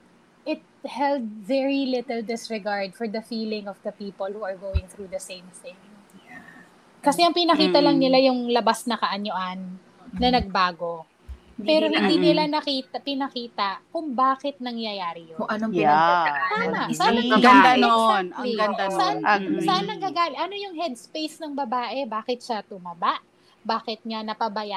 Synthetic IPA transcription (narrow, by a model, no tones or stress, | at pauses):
ʔɪt̪̚hɛld̪̚vɛɹilɪt̪ɛld̪ɪsɹɛɡaɹd̪̚fɔɹd̪ɐfiːlɪ̃ŋɔvd̪ɐpiːpolˠhuɐɹɡowɪŋθɹud̪ɐsẽɪ̃mθɪ̃ŋ | kɐsɛɐŋpɪnɐkiːt̪ɐlɐŋnɪlajʊŋlɐbasnɐkɐʔɐɲoʔanː | ɐnɐɡ̚baːɡo̞ | pɛːɾo̞hɪnd̪inɪlanɐkiːt̪ɐpɪnɐkiːt̪ɐkʊŋbaːkɛt̪̚nɐŋjɐjaːɾɪjoʊŋʔɐno | saːnɐsaːɐɡɐnd̪anonliɡɐd̪asɐʔansɐʔanːɐŋɡaɡaːlɪʔɐno̞jʊŋɦɛd̪̚spejsnɐŋbɐbaːʔɛbaːkɛt̪̚ʃat̪ʊmɐbaʔ | baːkɛt̪̚ɲanɐpɐbɐja